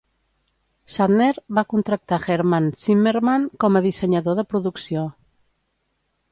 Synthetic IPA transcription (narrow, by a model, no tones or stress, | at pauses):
saðnɛɾβakunt̪ɾək̚t̪aɣeɾmant͡simeɾmaŋkɔməðisəɲəðoðəpɾuðuksio